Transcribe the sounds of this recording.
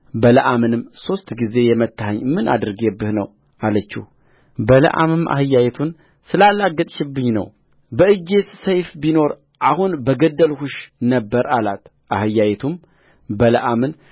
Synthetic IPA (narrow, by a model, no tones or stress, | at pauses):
bələʔamɨnɨmso̞st̪ɡize̞jɛmət̪ːahəɲmɨnʔa̰d̪ɨɾɡebːɨhnəw | ʔalət͡ʃːɪ̰h | bələ̰ʔa̰mɨmʔa̰hɨjːajɛt̪ʰun | sɨlalːaɡət̪ʼʃɪbːɨɲnə̰w | bəɨd͡ʒːessəjfbino̞ɾ | ʔahunbəɡəd̪ːəlhuʃnəbːəɾalat̪ | ʔahɨjːajɛt̪ʰum | bələʔamɨn